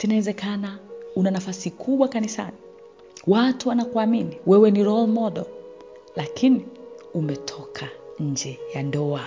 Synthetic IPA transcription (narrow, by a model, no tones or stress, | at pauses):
tinawɛzɛkanaunanafasikʰuɓwakanisa̰ni | watuwanakuaminiwɛwɛniɾɔlmɔɗɛl | lakʰini | umɛtʰɔkʰaɲ̩d͡ʒɛjandɔa